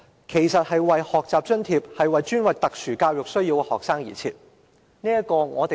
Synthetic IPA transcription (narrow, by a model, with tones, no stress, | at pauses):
kʰe˨˩jsɐ˨t̚hɐ˨jwɐ˨jhɔː˨k̚t͡saː˨p̚t͡ʃɵ˥nt̪ʰiː˧p̚hɐ˨jwɐ˨jt͡ʃyː˥nwɐ˨k̚t̪ɐ˨k̚sʰyː˨˩kaː˧wjʊ˨k̚sɵ˥ɥjiː˧wkɛ˧hɔ̰ː˨k̚saː˥ŋjḭː˨˩t͡sʰḭː˧t̚ | niː˥jɐ˥kɔː˧ŋɔː˨˧t̪e˨